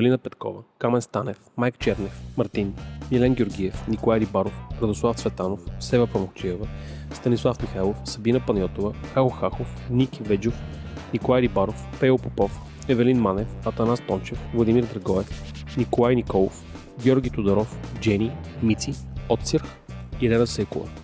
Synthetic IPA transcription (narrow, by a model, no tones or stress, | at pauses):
vɛlinəpɛt̪kɔ̰vəkamɛnst̪anɛfmajkt͡ʃɛɾnɛfmɐɾt̪inmʲilɛnɡʲoɾɡʲiɛfnikolˠajɾibaɾofɾɐd̪oslˠaft̪svɛt̪anofsɛvɛpɐmokt͡ʃiɛvə | st̪ɐnislˠafmixajlˠofsɐbinəpɐnʲjɔt̪ovəxaɣoxaxofnikʲivɛd͡ʒʊxnikolˠajɾibaɾofpɛopopɔf | ɛvɛlinmanɛfɐt̪ɐnast̪ɔnt͡ʃɛfvlˠɐd̪imiɾd̪ɾɐɡɔɛfnikolˠajnikɔlˠo̰f | ɡʲjɔɾɡʲit̪od̪ɐɾɔfd͡ʒɛnʲimit̪siɔt̪siɾx | iɾɛnɐsɛkovɐ̰